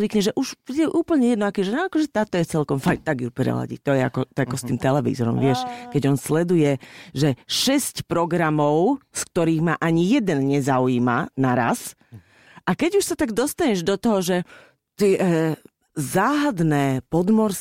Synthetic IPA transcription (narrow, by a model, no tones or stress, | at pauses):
ʋikɲɛʒɛʔuʃiɛʔuːpl̩ɲɛjɛd̪nɔakɛʒɛnɔakɔʒɛt̪aːt̪ɔjɛt͡sɛlkɔmfajt̪aɡjupɾɛ̰la̰ɟḭt̪ɔjɛa̰kɔt̪ɔɛakɔst̪iːmt̪ɛlɛʋḭzɔɾɔ̰mʋɪɛʃkɛɟɔnslɛd̪ujɛʒɛʃɛscpɾɔɡɾamɔʊsk̚t̪ɔɾiːɣmaʔaɲijɛd̪ɛnɲɛzaujiːma̰naɾa̰s | ʔakɛɟuʃsat̪aɡd̪ɔst̪aɲɛʒd̪ɔt̪ɔɦɔʒɛ | t̪ɪɛ | zaːɦad̪nɛːpɔd̪mɔɾs